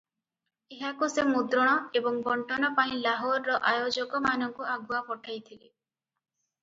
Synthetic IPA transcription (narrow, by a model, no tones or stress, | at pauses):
eɦakusemud̪ɾɔɽ̃ɔebɔŋbɔɳʈɔnɔpaĩlaɦɔɾːɔʔajod͡ʒɔkɔmanɔŋkuaɡuapɔʈʰajt̪ʰile